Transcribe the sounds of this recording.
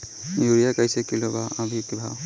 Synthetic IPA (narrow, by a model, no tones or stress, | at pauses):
juijakajsekilobaɐbʱikbʱaw